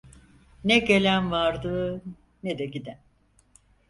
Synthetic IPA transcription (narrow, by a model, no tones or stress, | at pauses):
nɛɟe̞lʲænvaɾd̪ɯ | ned̪ɛɟid̪æn